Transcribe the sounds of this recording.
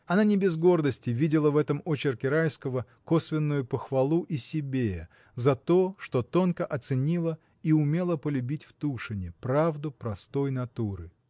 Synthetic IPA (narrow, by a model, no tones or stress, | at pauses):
ɐnanʲɪbʲɪzɡo̞rd̪əsʲtʲɪvʲidʲɪlˠəvɛt̪əmot͡ɕɪrkʲɪɾajskəvə | ko̞svʲɪnːʊjʊpəxvɐlˠuʔisʲɪbʲejə | zɐt̪o̞ʂt̪o̞t̪o̞nkəʔɐt̪sɨnʲilˠə | iʊmʲe̞lˠəpəlʲʉbʲitʲft̪uʂɨnʲɪpɾavd̪ʊpɾɐst̪o̞jnɐt̪uɾɨ